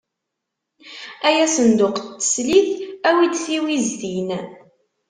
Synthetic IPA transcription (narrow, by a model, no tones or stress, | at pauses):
æjæsənd̪ʊqt̪ːə̥sliθæwid̪θiwizðin